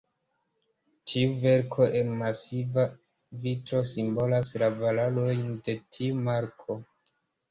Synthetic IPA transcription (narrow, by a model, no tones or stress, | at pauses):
tʰiuve̞ɾkʰo̞ʔe̞nmasiva | vitɾo̞simbo̞laslavalalo̞jnde̞tʰiumaɾkʰo̞